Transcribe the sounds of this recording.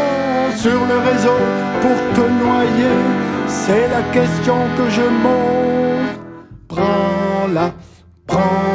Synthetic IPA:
syʁləʁezo | puʁt̪ənwajesɛlakʲɛst̪jɔ̃kəʒəmɔ̃ | pχɑ̃la | pχɑ̃

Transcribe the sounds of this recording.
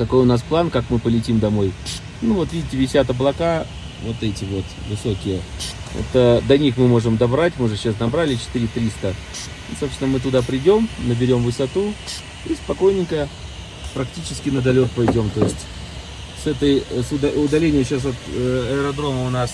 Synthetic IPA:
kɐko̞jʊnasplˠankakmɨpəlʲɪtʲimd̪ɐmo̞j | nuvo̞t̪vʲidʲɪtʲɪvʲɪsʲat̪ɐblˠɐka | vo̞t̪ɛtʲɪvo̞t̪vɨso̞kʲɪjəo̰t̪əd̪ɐnʲixmɨmo̞ʐɨmd̪ɐbɾatʲmɨʊʐɨɕːasnɐbɾalʲɪt͡ɕɪ̥t̪ɨɾʲɪt̪ɾʲist̪ə | isosʲɪnəmɨt̪̬ʊd̪apɾʲɪdʲo̞mnəbʲɪɾʲo̞mvɨsɐt̪u | ispɐko̞jnʲɪkə | pɾɐktʲit͡ɕɪskʲɪnəd̪ɐlʲo̞k̪̚pɐjdʲo̞mt̪o̞jɪsʲtʲ | sɛt̪əjsʊd̪ɐʊd̪ɐlʲenʲɪjəɕas̬ɐt̪ɐəɾɐd̪ɾo̞məʊnas

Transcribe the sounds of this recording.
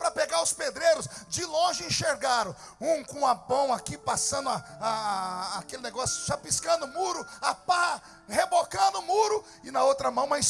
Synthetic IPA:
pɾɐpeɡaɾʊsped̪ɾejɾʊsd͡ʒɪlõʒɪẽʃeɾɡaɾɐ̃w̃ | ũkõapɐ̃w̃akipasɐ̃nd̪ʊaaː | kelɪneɡɔsjʊ̥ʒapiskɐ̃nd̪ʊmuɾʊapa | hebokɐ̃d̪ʊmuɾʊ | ɪnɐowt̪ɾɐmɐ̃w̃mãj̃s

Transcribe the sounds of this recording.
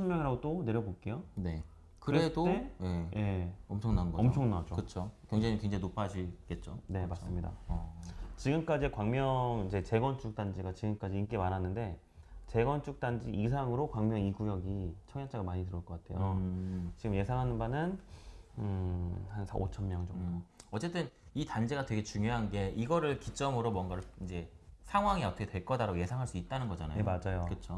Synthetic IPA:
t͡ɕʰʌmmjʌŋiɾaɡot͈one̞ɾjʌbok͈e̞jone̞ | kɯɾɾedoejejʔe̞ʌmt͡ɕʰʌŋnanɡʌʌmt͡ɕʰʌŋnad͡ʑokɯt͡ɕʰokeŋd͡ʑaŋikeŋd͡ʑaŋinopʰaɕʰik͈e̞t̚t͡ɕ͈one̞mas͈ɯmɲida̰ | t͡ɕiɡɯmk͈ad͡ʑiekwaŋmjʌŋid͡ʑe̞t͡ɕe̞ɡwʌnt͡ɕ͈ʰuk̚t͈and͡ʑiɡat͡ɕiɡɯmk͈ad͡ʑiːnk͈e̞maɾɦanːɯnde̞ | t͡ɕe̞ɡwʌnt͡ɕ͈ʰuk̚t͈and͡ʑiːsʰaŋɯɾokwaŋmjʌŋiɡujʌɡit͡ɕʰʌŋjʌt͡ɕ͈ʰaɡamaɲitɯɾʌɭk͈ʌk͈atʰe̞jot͡ɕiɡɯmje̞sʰaŋɦanɯnbanɯn | ɯhansʰa̰ʔo̰t͡ɕʰʌnmjʌŋd͡ʑʌmdʌt͡ɕ͈e̞t͈ɯnitand͡ʑeɡatwe̞ɡe̞t͡ɕuŋjoɦanɡe̞ʔiɡʌɾɯɭkit͡ɕ͈ʌmɯɾomwʌnɡaɾɯɭind͡ʑe̞sʰaŋɦwaŋiʌtʰʌkʰetwe̞ɭk͈ʌdaɾaje̞sʰaŋɦaɭs͈uit̚t͈anɯnɡʌd͡ʑanajeomad͡ʑajokɯt͡ɕʰo

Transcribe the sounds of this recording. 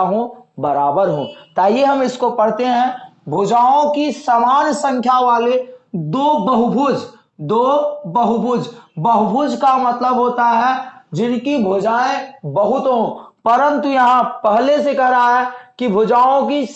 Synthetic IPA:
ɦõbəɾaːbəɾɦõːt̪aːɦijeɦɐmɪskopɐɽ̤t̪eɦɛ̃ | bʱoːd͡ʒaːõkisaːmaːnsə̃ŋkʰjaʋaːled̪oːbəɦʊbʱuːd͡ʒ | d̪oːbəɦʊbʱʊːd͡ʒbəɦʊbʱuːd͡ʒkamɐt̪ləbɦoːt̪aɦɛd͡ʒɪnkibʱoːd͡ʒaːẽbəɦʊt̪ɦõːpəɾə̃nt̪ujɐɦãpɛɦlesekɐɦɾaɦɛkibʱʊd͡ʒaːõki

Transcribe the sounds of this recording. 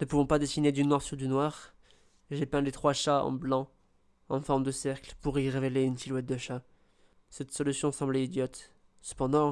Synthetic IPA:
nəpuvɔ̃pad̪esined̪ynwaʁsyʁd̪ynwaʁ | ʒepɛ̃let̪χwaʃaɑ̰̃blɑ̃ | ɑ̃fɔʁmd̪əsɛʁklpuʁiʁeveleynsilwɛt̪̚d̪əʃa | sɛt̪sɔlysjɔ̃sɑ̃blɛid̪jɔt̪ | sə̥pɑ̃d̪ɑ̃

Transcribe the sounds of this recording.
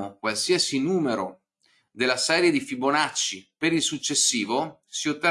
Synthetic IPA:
okwalsiasinuːmeɾo | d̪elːasɛːɾjed̪ifibonat͡ʃːipeɾilsut͡ʃːesːiːvosiot̪ːe

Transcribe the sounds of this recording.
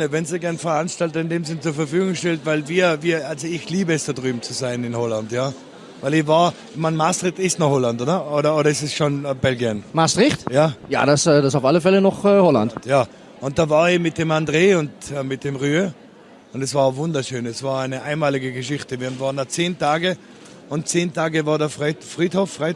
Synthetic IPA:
nəvɛnziɡɛɐnfɛɐanʃtaltɐɪndeːmzɪnət͡suɐfɐfyːɡʊŋʃtɛltvaɪlviːɐviːɐʔalzoɪçliːbəɛsd̥adʁyːbm̩t͡suzaɪnɪnhɔlantjaː | vaɪlɪvaːɐ | maɪnmastʁɪtɪstnɔχhɔlantʔoːdɐoːɾɐoːɾɐɛsɛsʃonbɛlɡiənmastʁɪxtjaːja̰ːdasɛdasaʊfaləfɛlənɔχəhɔla̰ntjaː | ʊnt̚d̥aːvaːɐemɪt̚d̥eːmandʁeːʊntɛmɪt̚d̥eːmʁyːø | ʊndɛsv̥aːɐvʊndɐʃøːnɛsv̥aːɐaɪnəʔaɪnmaːlɪɡəɡəʃɪçtəviːɐnvaːɐəndat͡seːntaːɡə | ʊnt̚t͡seːntʰaːɡəvaːɐdɛɐfʁfʁiːthofʁaɪ

